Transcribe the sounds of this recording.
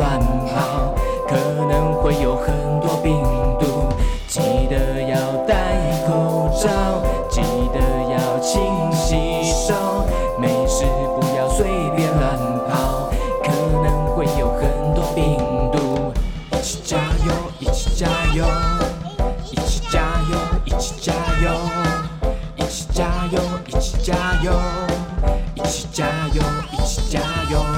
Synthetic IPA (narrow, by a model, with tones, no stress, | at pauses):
a˧˩npʰɑ˧ʊ | kʰɤ˨˩ | nə˧˦˥ŋxwe˥˧˩ɪjo˨˩ʊxə˨˩˦nt̪wɔ˥pi˧ŋt̪u˧ | t͡ɕi˨˩d̪ə˦jɑ˥˧ʊt̪a˥˧˩ɪ | kʰo˧ʊʈ͡ʂɑ˥˧ʊ | t͡ɕi˨˩d̪ə˧jɑ˥˧˩ʊt͡ɕʰi˧ŋɕi˧˥ | ʈ͡ʂo˥˧ʊ | me˨˩ɪʂɻ̩˧pu˧˥jɑ˥˧ʊswe˥˧ɪpjɛ˧˥la˧n | pʰɑ˧˥ʊkʰə˧˦nə˧ŋxwe˥˧˨jo˨˧wkə˧˥nt̪u˧˦pi˧ŋd̪u˧ | i˨˩t͡ʃi̥˧t͡ɕa˧jo˧ | i˨˩t͡ʃi̥˧t͡ɕa˧jo˧˦ | ʔi˨˩t͡ʃi̥˨t͡ɕa˧jo˧i˨˩t͡ʃi̥˧t͡ɕa˧jo˧ | ʔi˨˩t͡ʃi̥˧t͡ɕa˧˦jo˧ʔi˨t͡ʃt͡ɕa˦jo˧ | i˨t͡ʃt͡ɕa˧jo˧i˨t͡ʃi̥˧t͡ɕa˧jo˧